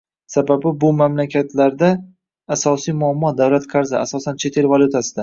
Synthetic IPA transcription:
sababɪbʊmamlakʲʰat̪ʰlaɾd̪aː | sɒsijmʊamːɒd̪awlat̪qʰɑɾzɪasɒsant͡ʃʰe̞t̪ʰe̞lvalʲˠʊt̪ʰasɪd̪a

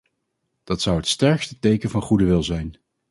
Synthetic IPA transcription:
d̥ɑtsʌwɦətstɛɹkstətejkənvɑnχudəʋɪlˠzɛjn

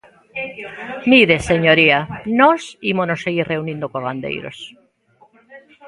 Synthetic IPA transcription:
miðeseɲoɾianosimonosːeɣiɾreunĩnd̪okoɣand̪ḛjɾo̰s

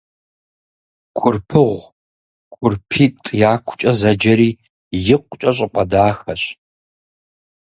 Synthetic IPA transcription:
kʷʼʊrpʰɨʁʷ | kʷʼʊrpʰiːtʼjaːkʷʰʊ̥t͡ʃʼɐzɐd͡ʒɐɾiː | jɪqʷt͡ʃʼɐɕ̬ʼɪqʼɐdaːxɐɕ

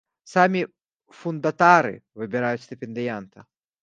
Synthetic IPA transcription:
samʲi | fʊnd̪ɐt̪aɾɨ̰vɨbʲɪɾajʊt̪sʲt̪ʲɪpʲɪnd̪ʲɪjɛnt̪ɐ

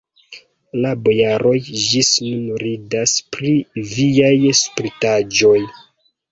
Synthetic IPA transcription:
labojaɾo̞jd͡ʒisnunuɾidaspɾiviajspɾitad͡ʒo̞j

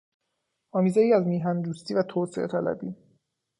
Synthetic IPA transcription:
ɒːmiːzejiːæzmiːɦænd̪uːst̪iːvæt̪ʰoːseʔet̪ʰælæ̰bḭː

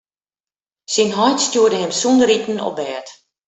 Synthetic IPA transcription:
sinɦɔjtstjuədəhɛmsundəritn̩ɔ̰bɛːt

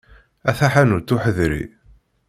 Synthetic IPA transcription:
æθaħænuɾt̪ːʊħəðɾḭ

